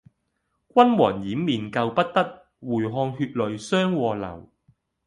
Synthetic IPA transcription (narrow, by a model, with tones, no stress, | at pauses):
kʷɐ˥nwɔː˨˩ŋjiː˨˥mːiː˨˩nkɐ˧wpɐ˥t̚t̪ɐ˥t̚ | wuː˨˩jɦɔː˧ŋɦyː˧t̚lɵ˨ɥsœː˥ŋwɔː˧lɐ̰˨˩w